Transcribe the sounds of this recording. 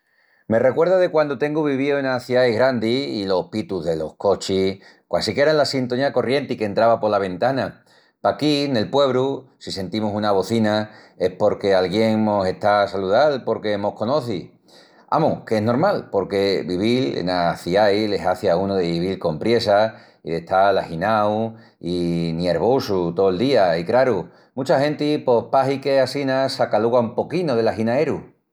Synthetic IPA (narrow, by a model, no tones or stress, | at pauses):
me̞re̞kwe̞ɾðaðe̞kwand̪ot̪e̞ŋɡuβiβ̞ioenaθiajɣɾand̪iːlo̞hpit̪uɦðe̞lo̞hko̞t͡ʃi | kwasike̞ɾanlasint̪oniako̞rje̞nt̪ike̞nt̪ɾaβapo̞laβẽ̞nt̪ana | pakine̞lpwe̞β̞ɾusise̞nt̪imusunaβ̞o̞θina | e̞hpo̞ɾke̞alɣje̞ŋno̞se̞ht̪asaluðalpo̞ɾke̞mo̞hko̞no̞θi | a̰mukeeɦno̞ɾmalpo̞ɾke̞βiβ̞ilḛnaθiajle̞saθiaunoðeβiβ̞ilko̞mpɾje̞sa | iðe̞t̪alahinaw | inje̞ɾβ̞osut̪oeld̪iaikɾaɾu | mut͡ʃahẽ̞nt̪ipo̞hpaɦike̞asinasakaluɣaumpo̞kinoð̞e̞laɦinae̞ɾu